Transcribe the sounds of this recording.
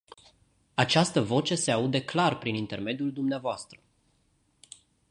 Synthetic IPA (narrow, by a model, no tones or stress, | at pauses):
at͡ʃast̪əvo̞t͡ʃe̞seaud̪eklarpɾinint̪e̞rme̞d̪juld̪umneavoast̪ɾə